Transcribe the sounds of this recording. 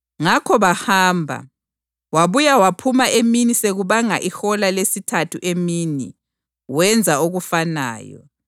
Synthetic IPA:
ŋakʰɔβahaːmbʱa̰ | waβujawapʰumaʔeminiseɣuβaŋa̰ʔixɔlalesitʰatʰuʔemini | wɛnd͡zʱaoɣufana̰ːjɔ̰

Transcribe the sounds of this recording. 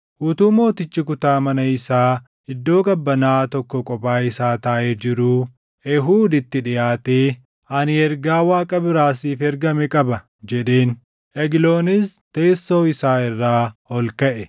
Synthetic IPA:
ʔʊt̪uːmo̞ːt̪ɪt͡ʃːɪkʊt̪aːmɐnɐɪsaː | ɪd̪ːo̞ːɡʼɐbːɐnaːt̪ɔkːɔkʼɔbaːɪsaːt̪aːʔed͡ʒɪɾuː | ʔɛɦuːd̪ɪt̪ːɪᶑɪjaːt̪eː | ʔɐnɪɛɾɡaːwaːkʼɐbɪɾaːsiːfɛɾɡɐmɛkʼɐbɐ | d͡ʒɛɗe̞ːn | ʔɛɡlo̞ːnɪst̪e̞ːsːo̞ːɪsaːɪrːaːhɔlkɐʔɛ

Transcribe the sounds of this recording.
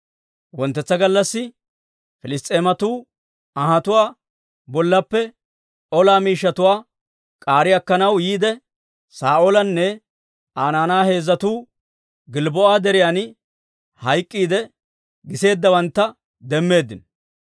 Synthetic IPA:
wɔnt̪ːɛt͡sːɐɡɐlːɐsːɪ | fɪlɪst̪ʼe̞ːmɐt̪uː | ɐɦɐt̪ʊwaː | bɔlːɐpːɛ | ɔlaːmiːʃːɐt̪ʊwaː | kʼaːɾɪɐkːɐnɐwjiːd̪ɛ | saːʔolɐnːɛ | aːnaːnaːhe̞ːzːɐt̪uː | ɡɪlbɔʔaːd̪ɛɾɪjaːn | hɐjkʼːiːd̪ɛ | ɡɪse̞ːd̪ːɐbɐnt̪ːɐ | d̪ɛmːe̞ːd̪ːɪn

